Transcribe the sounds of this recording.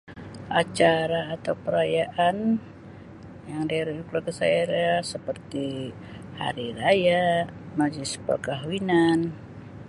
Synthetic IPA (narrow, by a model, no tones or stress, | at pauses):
ʔat͡ʃaɾaːt̪awpəɾajaʔan | jaŋdaɾuukulakasaiɾasəpərt̪i | ha̰ɾiɾaja | mad͡ʒispə̰rkaɦwinan